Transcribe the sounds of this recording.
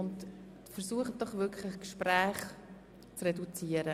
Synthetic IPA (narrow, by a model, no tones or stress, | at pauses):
ʊnt | fəɾsuəχəd̥ɔχʋʏkʰlɪχkʃpɾæːχ | t͡srɛdut͡siːəɾə